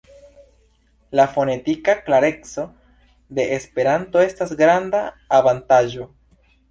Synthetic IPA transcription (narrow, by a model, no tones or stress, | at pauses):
lafo̞ne̞tikaklaɾe̞kt͡so̞ | de̞ʔespe̞ɾanto̞e̞stasɡɾandaː | vantaʒo̞